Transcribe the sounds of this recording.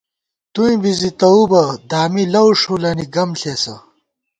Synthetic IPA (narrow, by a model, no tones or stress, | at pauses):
t̪uĩbizit̪ɐubɐd̪aːmilɐwʂulɐniɡɐmɬeːsɐ̰